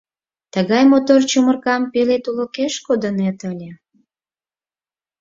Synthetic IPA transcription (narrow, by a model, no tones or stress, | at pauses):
t̪əɣɑjmot̪ort͡ɕumərkɑmpilet̪ulokeʃkod̪ənet̪əlʲe